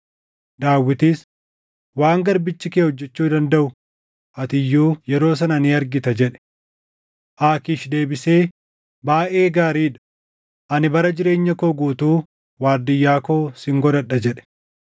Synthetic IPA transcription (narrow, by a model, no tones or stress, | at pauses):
d̪aːwːɪt̪iːs | waːŋɡɐɾbɪt͡ʃːɪkeːhɔd͡ʒːɛt͡ʃːuːd̪ɐnd̪ɐʔʊ | ʔɐt̪ɪjːuːjɛɾo̞ːs̬ɐnɐniɐɾɡɪt̪ɐd͡ʒɛᶑɛ̥ | ʔaːkiːʃd̪e̞ːbɪse̞ː | baːʔe̞ːɡaːɾiːᶑɐ̥ | ʔɐnɪbɐɾɐd͡ʒɪɾe̞ːɲːɐkoːɡuːt̪uː | waːɾd̪ɪjːaːko̞ːsɪŋɡɔd̪ɐɗːɐd͡ʒɛᶑɛ̥